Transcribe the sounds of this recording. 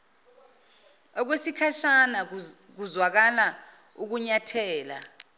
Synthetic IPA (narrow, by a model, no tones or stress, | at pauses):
ɔk̬wesikʰaʃanak̬uzwak̬ala | uk̬uɲatʰɛːla̰